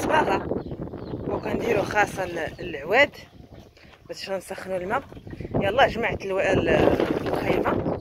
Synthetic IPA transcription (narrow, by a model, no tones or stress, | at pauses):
sbɑlɑ | wkænd̪iɾuxɑsˤːɑllʕwæd̪ | bæt̪ə̥ʃænsæxːənulmæjɑlˤːɑʒmaʕt̪l | lxijmæ